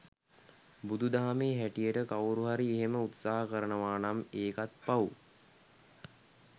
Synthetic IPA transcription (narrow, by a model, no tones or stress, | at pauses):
bud̪ʱud̪aɦameːɦæʈijəʈəkawɾuɦaɾieɦeməut̪saːɦəkəɾənəʋaːnameːkat̪̚pau